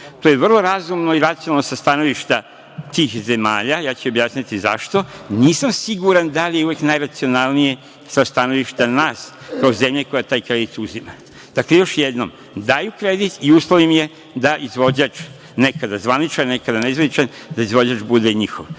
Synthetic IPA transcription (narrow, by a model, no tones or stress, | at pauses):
t̪oːjeʋr̩lˠoɾazumnoiɾat̪sijonalnosast̪ano̞ʋiʃt̪a | t̪iːxze̞ma̰ːʎajaːt͡ɕɛo̞bjaːsɲʲat̪iza̰ʃt̪o̞niːsamsiɡuɾand̪alijeuʋeknajɾat̪sio̞nalˠnije | sast̪ano̞ʋiʃt̪anaːs | kaoze̞mʎeko̞jat̪aːjkɾe̞d̪it̪uzima | d̪aklejo̞ʃjed̪nom | d̪aːjukɾe̞d̪it̪iuːslˠoʋimje̞ | d̪aʔizʋo̞d͡ʑat͡ʃ | ne̞kad̪azʋanit͡ʃanne̞kad̪aneizvʋanit͡ʃan | d̪aizʋo̞d͡ʑat͡ʃbud̪eɲixo̰ʋ